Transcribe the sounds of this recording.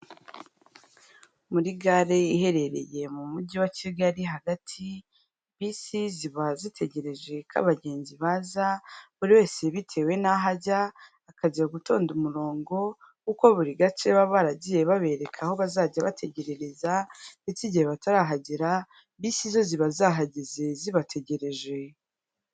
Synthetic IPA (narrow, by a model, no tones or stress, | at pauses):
muɾiɡaɾeihe̞ɾe̞ɾe̞̰je̞mumuɟiwaciɡaɾiɦaɡatʰi | βisiziβazitʰe̞ɟe̞ɾe̞ʒe̞kʰa̰βaɟe̞ːɲziβaːzaβuɾiwe̞ːse̞βitʰe̞ːwe̞naɦaɟaː | kaɟiɾaɡutʰo̞̰ːndumuɾo̞ːŋɡo̞ | kuko̞βuɾiɡat͡ʃeβaβaɾaɟije̞βaβe̞ɾe̞kʰaho̞βazaːɟaβa̰tʰe̞ɟe̞ɾe̞ɾe̞zaiciɟiheβataɾaɦaɟiɾa | βisizo̞ziβazaɦaɟize̞ziβatʰe̞ɟe̞ɾe̞ʒwe̞